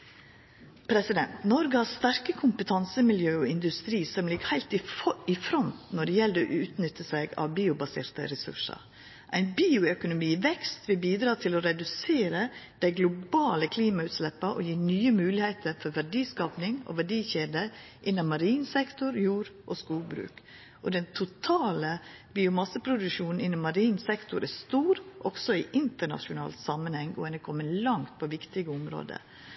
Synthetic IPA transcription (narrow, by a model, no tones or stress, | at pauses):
pʰɾɛsɪd̪ɛnt̪nɔɾɡəhɑst̪æɾkəkʰʊmpət̪ʰɑnsəmɪljøːɔɪnd̪ʉst̪ɾiːsɔmlɪɡəhæɪlt̪ɪɪfɾɔnt̪nɔɖɛjɛld̪ʔʉːt̪nʏt̪ːəsæɪɡɑ̰ʋbiːʊbɑsḛːɾt̪ə̰ɾɛsʉ̰ʂɑ̰ | ʔæɪnbiːʊœkʊnʊmiːʋɛkst̪ʋɪlbiːd̪ɾɑːt̪ʰɪlɔɾɛd̪ʉseːɾəd̪̥æɪɡlʊbɑːləkʰliːmɑʉt̪slɛpːəʔɔ̰jiːnyːəmʉːlɪheɪt̪ʰəɾfɔɾʋæɖiːskɑːpnɪŋɔ̰ʋæɖiːçeːd̪ə | ʔɪnːɑmmɑɾiːnsɛkt̪ʊɾjuːɾʔɔskuːbɾʉ̰ːk | ʔɔd̪ɛnt̪ʰʊt̪ʰɑːləbiːʊmɑsəpʰɾʊd̪ʉʂuːnn̩ɪnːɑmɑɾiːnsɛkt̪ʊɾʔæst̪uːɾʔɔɡsɔɪːʔɪnt̪əɳɑ̰ʂʊnɑ̰ːlt̪sɑmənhɛŋɔ̰ɛnəkʰɔmːənlɑŋt̪̚pʰɔʋɪkt̪ɪɡəʊmɾo̰ːd̪ə̰